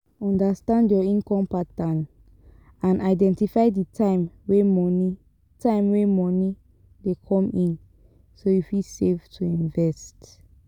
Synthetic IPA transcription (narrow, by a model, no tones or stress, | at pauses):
ɔ̃ndastãndjɔĩnkɔ̃mpatãn | ãnaɪdɛ̃ntifaɪditʰãɪ̃mwemɔni | tʰãɪ̃mwemɔni | dekʰɔ̃mĩn | sojufisevtʰuĩnvɛst